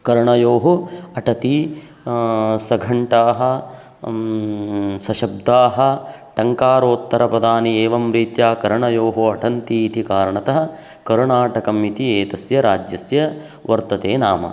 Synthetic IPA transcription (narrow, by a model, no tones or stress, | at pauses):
kɐɾɳɐjoːɦuɐʈɐt̪i | sɐɡʱɐɳʈaːɦɐ | sɐʃɐb̚d̪aːɦɐ̆ʈɐŋkaːɾoːt̪ːɐɾɐpɐd̪aːnieːʋɐmɾiːt̪jaːkɐɾɳɐjoːɦuɐʈʰɐnt̪iːt̪ikaːɾɐɳɐt̪ɐɦɐ̆ | kɐɾɳaːʈɐkɐmit̪ieːt̪ɐsjɐɾaːd͡ʒjɐsjɐ | ʋɐɾt̪ɐt̪eːnaːmɐ̰